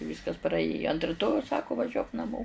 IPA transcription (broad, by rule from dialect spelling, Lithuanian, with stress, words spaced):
ˈʋʲiːskɐs prɐˈeːjoː ɐnt rʲɪˈtoːjɛʊs ˈsɑːkʊ ʋɐˈʒʲuɔk nɐˈmoː